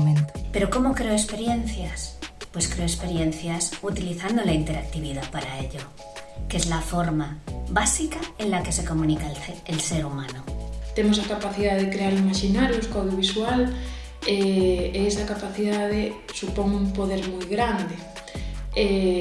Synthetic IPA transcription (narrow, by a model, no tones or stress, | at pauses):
entpe̞ɾoko̞mokɾeoespe̞ɾje̞n̟θjaspwe̞skɾeoespe̞ɾje̞n̟θjasut̪iliθand̪olaint̪e̞ɾak̚t̪iβiðaðpaɾaeʎo | ke̞zlafo̞ɾmaβasikaẽnlake̞se̞ko̞mũnikaelseɾumãnot̪emosakapaθiðaðekɾeaɾimaʃinaɾjoskawðjoβiswal | eeesakapaθiðaðe | supoŋumpoð̞eɾmujɣɾand̪e | e